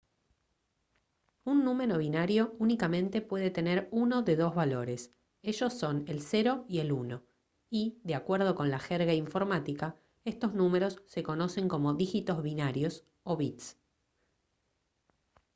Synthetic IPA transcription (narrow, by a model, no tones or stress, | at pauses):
unːũme̞ɾo̞βinaɾjo̞unikamẽ̞nt̪e̞pwe̞ð̞e̞t̪e̞neɾuno̞ðe̞ðo̞zβalo̞ɾe̞s | e̞ʒo̞sːo̞ne̞lse̞ɾo̞ie̞luno̞ | iðeakweɾð̞o̞ko̞nlaxeɾɣaiɱfo̞ɾmat̪ika | e̞st̪o̞znũme̞ɾo̞sːe̞ko̞no̞se̞ŋko̞mo̞ðixit̪ozβinaɾjo̞s | oβit̪s